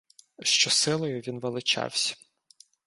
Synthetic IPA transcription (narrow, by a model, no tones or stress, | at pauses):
ʃt͡ʃɔsɪlˠɔjʊʋʲinʋelˠɪt͡ʃɑ̰wsʲɐ̥